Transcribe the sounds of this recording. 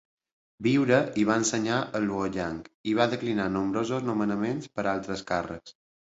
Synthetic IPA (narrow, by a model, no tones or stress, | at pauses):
biwɾəʔiβaənsəɲaʔəluəʎaŋkiβ̞aðəklinanumbɾozoznumənəmenspəɾalˠt̪ɾəskarə̰s